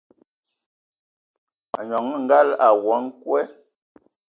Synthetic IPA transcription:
a˨ɲɔ˨˦ŋ˦ŋ̩˦ɡa˦˨la˨wɔ˨˦ŋ˦kwɛ˦

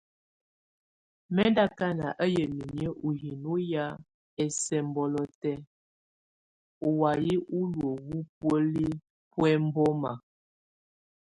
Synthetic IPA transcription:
mɛ˦nda˦ka˦na˨ʔə˦jə˨mi˨mjə˦ʔu˨hi˨nu˦ja˦ | ɛ˨sɛ˨mbɔ˨lɔ˨tɛ˦ | u˨wa˨ji˦ʔu˦lwə˨wu˦p̚wə˦li˦ | pwɛ˦m̩˦bɔ˦ma˨

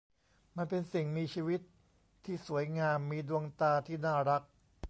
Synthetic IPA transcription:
ma˧npe˧nsi˨˩ŋmiː˧t͡ɕʰiː˧wi˦˥t̪ʰː | iː˥˩su˩˦əjŋaː˧mːiː˧du˧əŋt̪aː˧t̪ʰiː˥˩naː˥˩ɾa˦˥k̚

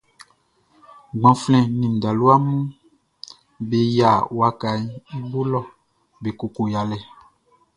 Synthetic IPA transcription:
ɡ͡bɔ̃˨flɛ̃˨nĩ˨da˨lu˦a˦mũ˦ | be˨ja˨wa˨ka˨i˦i˦bo˦lɔ˦˨ | be˨ko˨ko˨ja˨lɛ˨

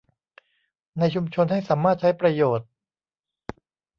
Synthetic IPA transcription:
na˧jt͡ɕʰu˧mt͡ɕʰo˧nha˥˩jsaː˩˦mːaː˥˩t̪̚t͡ɕʰa˦˥jpɾa˧joː˨˩t̪̚

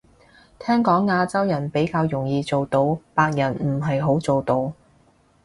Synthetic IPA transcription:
t̪ʰɛː˥ŋkɔː˨˥ŋːaː˧t͡sɐ˥wjɐ˨˩npe˨˥jkaː˧wjʊ˨˩ŋjiː˨˧t͡so˨wt̪o˧wpaː˧k̚jɐ˨˩nm̩˨˩ɦɐ˨jɦo˨˥wt͡so˨wt̪o˧w

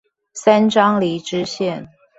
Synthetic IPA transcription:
sa˥nʈ͡ʂɑ˥ŋli˧˥ʈ͡ʂɻ̩˥ɕjɛ˥˨n

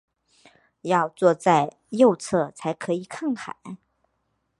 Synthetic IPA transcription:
jɑ˥˧ʊt͡swɔ˥˧t͡sa˥˧ɪ | jo˥˧ʊt͡sʰɤ˥˩t͡sʰa˧˥ɪkʰɤ˧˥i˨˩kʰɑ˥˩ŋxʰa̰˨˩˦

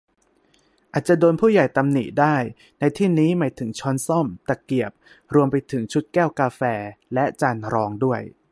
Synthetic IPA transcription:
ʔaː˨˩t̪̚t͡ɕa˨˩doː˧npʰuː˥˩ja˨˩jt̪a˧mnḭ˨˩t̪̚daː˥˩j | na˧jt̪ʰiː˥˩niː˦˥maː˩˦jt̪ʰɯ˩˦ŋt͡ɕʰɔ˦˥nsɔ˥˩mt̪a˨˩ki˨˩əp̚ | ɾu˧əmpa˧jt̪ʰɯ˩˦ŋt͡ɕʰu˦˥t̪̚kɛː˥˩wkaː˧fɛː˧lɛ˦˥ʔt͡ɕaː˧nɾɔː˧ŋdu˥˩əj

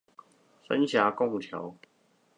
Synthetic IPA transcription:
sə̰˦nɕja˨˥kʊ˥˩ŋt̪ʰja˨˦ʊ

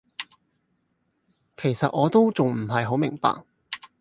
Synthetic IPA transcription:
kʰe˨˩jsɐ˨t̚ʔɔː˨˧t̪o˥wt͡sʊ˨ŋm̩˨˩ɦɐ˨jɦo˨˥wmɪ˨˩ŋpa̰ː˨k̚

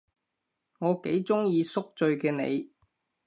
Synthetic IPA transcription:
ŋɔː˨˧ke˨˥jt͡sʊ˥ŋjiː˧sʊ˥k̚t͡ʃɵ˧ɥkɛː˧nḛ˨˧j

